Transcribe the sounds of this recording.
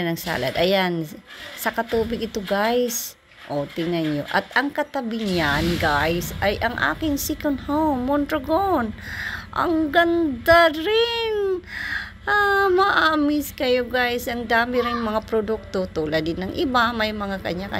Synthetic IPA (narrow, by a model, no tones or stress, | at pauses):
nɐŋsa̰ːlɐ̰d̪ɐjansɐkɐt̪uːbɪɡ̚ɪt̪oɡajs | ʔot̪ɪŋanjo̰ʔɐt̪ʔɐŋkɐt̪ɐbɪɲanɡajsʔajʔɐŋʔa̰ːkɪŋsikonhowmːont̪ɾoɡonʔɐ̰ŋɡɐnd̪aɾɪn | ʔamɐʔaːmɪskɐjoɡajsʔɐŋd̪aːmɪɾɪŋmɐŋapɾod̪uk̚t̪ot̪ulɐd̪ɪd̪nɐŋʔɪbamɐjmɐŋakɐɲakɐ̰